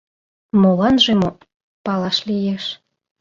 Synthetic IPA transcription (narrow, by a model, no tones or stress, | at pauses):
molɑnʒemo | pɑlɑʃlijeʃ